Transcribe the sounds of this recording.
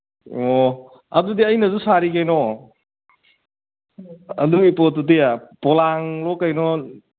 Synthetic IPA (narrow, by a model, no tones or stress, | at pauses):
o | ɐ̰dudiɐjnɐzusaɾikajnɔ | ɐ̰duipɔtudiapɔlaŋlɔkːajnɔ